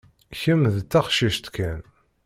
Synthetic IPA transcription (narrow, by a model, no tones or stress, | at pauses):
çəmðt͡s̪ːæχʃiʃt̪kæn